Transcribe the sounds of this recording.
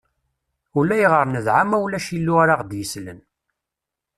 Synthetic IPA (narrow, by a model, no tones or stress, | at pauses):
ulæjəʁəɾˤnəðʕamæwlæʃilːuaɾaʁd̪jəslə̰n